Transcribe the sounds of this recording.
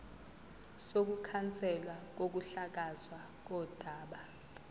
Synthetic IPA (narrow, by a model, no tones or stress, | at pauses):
sok̬ukʰant͡sʼɛlwak̬ok̬uɬak̬aswa | k̬ɔːd̥ʱaːɓa